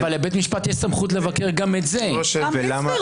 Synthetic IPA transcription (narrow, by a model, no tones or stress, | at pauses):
valːebet̪miʃpat̪jesamχut̪̬le̞vakeʁɡametzeoʃevvelama